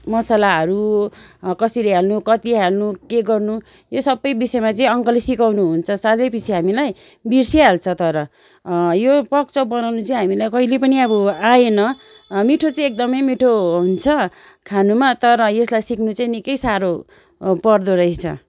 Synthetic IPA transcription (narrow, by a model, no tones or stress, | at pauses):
mʌsalaɦʌɾu | kʌsileɦalnukʌt̪iɦalnukeɡʌrnu | josʌbːʌjbisʌemat͡sʌĩʌŋkʌlisikawnuɦunt͡sʰʌsalepit͡sʰiɦamilaj | birsiɦalt͡sʰʌt̪ʌɾʌ | jopʌk̚t͡sʌbʌnawnut͡saĩɦamilajkʌilepʌniʌbʌaenʌ | miʈʰot͡saĩek̚d̪ʌmʌjmiʈʰoɦunt͡sʰʌ | kʰanumat̪ʌɾʌjeslajsikʰnut͡saĩnikʌjsaɾo | pʌrd̪oɾʌɦit͡sʰʌ̰